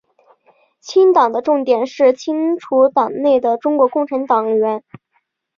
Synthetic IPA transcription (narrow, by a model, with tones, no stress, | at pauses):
t͡ɕʰi˥ŋt̪ɑ˨˩ŋd̪ə˦ʈ͡ʂʊ˥˩ŋt̪jɛ˨˩nʂɻ̩˥˩t͡ɕʰi˥ŋʈ͡ʂʰu˧˥t̪ɑ˨˩ŋne˥˩ɪd̪ə˩ʈ͡ʂʊ˥ŋkwɔ˧˥kʊ˥˩ŋʈ͡ʂʰa˧˥nt̪ɑ˨˩ŋɥɛ˧˥n